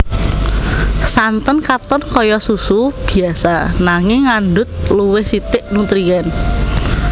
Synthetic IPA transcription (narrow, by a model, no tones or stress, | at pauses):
sant̪ɔnkat̪ɔnkɔjɔsusub̥i̤asanaŋɪŋːandʊt̪̚luwɪhsit̪ɪʔnut̪ɾijɛn